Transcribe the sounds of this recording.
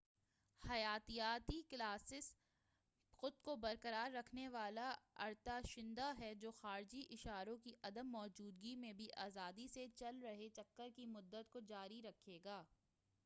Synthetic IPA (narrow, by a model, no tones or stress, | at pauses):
hɐjaːt̪ijaːt̪iklaːsɪs | xʊd̪kobɐɾkəɾaːɾːɐkʰneʋaːlaɐ̰ɾt̪aʃɪ̃nd̪aɦɛd͡ʒoːxaːɾd͡ʒiʔɪʃaːɾõkiʔɐd̪əmːɔːd͡ʒuːd̪ɡimẽbʱiʔaːzaːd̪iset͡ʃɐlɾɐɦet͡ʃɐkːəɾkimʊd̪ːət̪kod͡ʒaːɾiɾɐkʰeːɡaː